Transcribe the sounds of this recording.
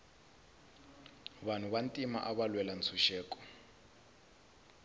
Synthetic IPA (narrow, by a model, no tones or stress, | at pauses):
βan̤uβantʼima̰ʔaβalwɛlant͡sʰuʃɛːkʼɔ̥